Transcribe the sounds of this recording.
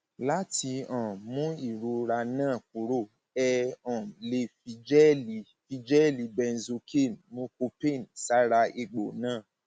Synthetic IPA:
la˦ti˧ɔ̃˨mũ˦i˦˨ɾu˨˦ɾa˧nãː˦˨k̚u˨˦ɾo˦˨ | ɛ˧ɔ̃˨le˧˦fi˧d͡ʒɛ˦li˨˦ | fi˧d͡ʒɛ˦li˨˧bɛ˧n̩˨zo˧kʰe˦˨nmũ˦ko˧pe˦˨n˨sa˦ɾa˧ʔe˧ɡ͡bo˨nãː˦˨

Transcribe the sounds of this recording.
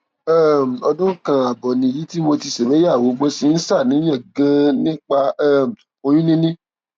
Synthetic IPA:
ɛ˦˨m̩˨ɔ˧dũ˦kã˧a˨bɔ˨nĩ˨ji˨˦ti˦mo˧ti˧se˨we˨˦ja˦˨wo˨˦ɡ͡bo˦si˧˦n̩˦sa˦˨nĩ˨˦j̃ã˦˨ɡã˦nĩ˦k͡pa˧ɛ˦˨ | o˧j̃ũ˦nĩ˦nĩ˦

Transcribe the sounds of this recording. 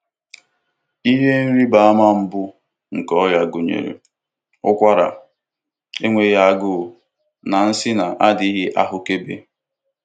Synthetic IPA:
i˦ɦe˦n̩˦ɾi˦ba˨a˦ma˦m̩˦bʊ˦ | ŋ̩˨kɔ˦ja˨ɡʊ˨ɲḛ˨ɾḛ˨ | ʊ̰˦kʷa˦ɾa̰˨ | e˦ŋʷe˨ja˦a˦ɡʊ˦˨ | na˨n̩˦sɪ˦na˨ʔa˦di˦ɦɪ˦ʔa˦ɦʊ˦ke˦bḛ˦

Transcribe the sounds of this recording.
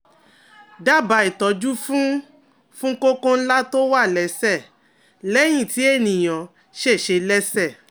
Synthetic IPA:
da˦˨ba˧˨i˨tɔ˨d͡ʒu˦fũ˦ | fũ˦ko˦kõ˦n̩˦la˦to˦wa˦˨lɛ˨˦sɛ˦˨ | lɛ˨˦j̃ĩ˦˨ti˨˦e˦˨nĩ˨j̃ɔ̃˨ | ʃe˦˨ʃe˨˧lɛ˦sɛ˦˨

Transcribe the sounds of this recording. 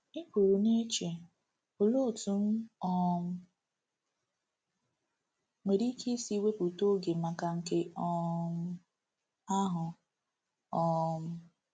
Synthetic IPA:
ɪ˦kʷu˨ɾu˨ne˦t͡ʃe˨ | ʊ˨lo˦˨tu˦n̩˦ɔ˦m̩˦ | me˨ɾi˦ke˦si˦we˦pu˨to˦ɡe˨ma˨ka˨ŋ̩˨ke˦ɔ˦m˦ | a˦ɦʊ˨ | ɔ˦m̩˦

